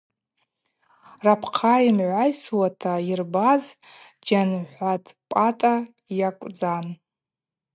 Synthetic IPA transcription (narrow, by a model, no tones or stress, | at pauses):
rapʰqʰaimʕʷajswatʰairbaz | d͡ʒanħʷatʰʼpʼatʼa | jakʷʼd͡zan